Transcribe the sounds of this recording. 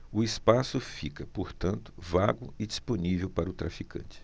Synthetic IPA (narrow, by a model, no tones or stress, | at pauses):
ʊɪspasʊfikɐpoɾt̪ɐ̃nt̪ʊvaɡʊɪd͡ʒisponivewpaɾɐʊt̪ɾafikɐ̰̃nt͡ʃɪ̥